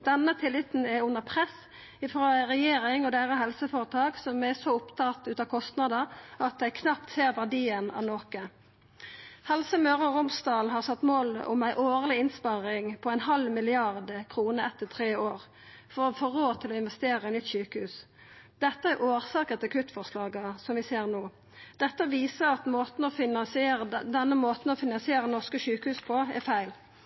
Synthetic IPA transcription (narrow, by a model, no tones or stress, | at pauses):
d̪̥ɛnːət̪ʰɪlːɪt̪n̩ɛʉnːəʁpʰʁɛs | ɪfɾɑːʁɛjeːɾɪŋɔd̪æːʁəɦɛlsəfoːʁət̪ʰɑːɡsɔmæsɔʊpt̪ʰɑt̪ʉːt̪ɑkʰɔst̪nɑd̪əʁɑt̪̚d̪æɪkʰnɑpt̪seːʁʋæʁdiːənɑ̰ʋnoːkə | hɛlsəmøːʁəʁʊmsd̪ɑːlɦɑʁsɑt̪ːmoːlʊ̰mæɪʔoːʁlɪɪnspɑʁɪŋpʰɔæɪnhɑlmɪlɪɑʁd̪əkʰʁuːnəɛt̪ːət̪ʰʁeːoːʁ | fɔʁɔfoːɾoːt̪ʰɪlɔɪnʋɛst̪eːʁəɛɪnʏt̪ːsyːkəhʉːs | d̪̥ɛt̪ːəæʁʔoːʁsɑːkət̪ɛkʰʉt̪fɔʁslɑːɡəsɔmʋɪseːʁnoː | d̪̥ɛt̪ːəʋiːsəʁɑt̪moːt̪n̩ɔfɪnɑnsɪeːʁəd̪ɛnːəmoːt̪n̩ɔfɪnɑnsɪeːʁənɔʁskəsʉːkəhʉːspʰɔæ̰ʁfæɪl